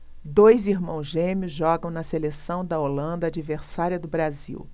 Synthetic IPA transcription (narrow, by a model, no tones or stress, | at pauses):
d̪ojziɾmɐ̃w̃zʒẽmjʊzʒɔɡɐ̃w̃nɐselesɐ̃w̃d̪ɐolɐ̃nd̪ɐad͡ʒiveɾsaɾiɐd̪ʊbɾazḭw